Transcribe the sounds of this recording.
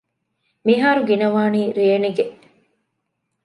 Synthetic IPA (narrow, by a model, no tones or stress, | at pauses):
miɦaːɾuɡinɐʋaːniːɾeːniɡeʔ